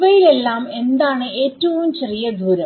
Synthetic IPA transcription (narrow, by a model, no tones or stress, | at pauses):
ʋɐjile̞lːaːme̞nd̪aːɳɨe̞ːtːɐʋumt͡ɕerijɐd̪ʱuːɾɐ